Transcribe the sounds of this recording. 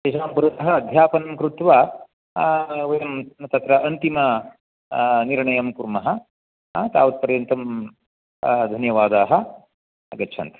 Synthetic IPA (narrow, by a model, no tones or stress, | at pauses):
t̪eːʃaːmpuɾɐt̪ɐɦɐːd̪ʱjaːpɐnɐmkɾut̪ʋa | ʋɐjɐmt̪ɐt̪ɾɐʔɐnt̪imɐ | niɾɳɐjɐmkuɾmɐɦɐ̆ | t̪a̰ːʋɐt̪̚pɐɾjɐnt̪ɐm | d̪ʱɐnjɐʋaːd̪aːɦɐ | ɐɡɐtːt͡ʃʰɐ̰nt̪ɐ̥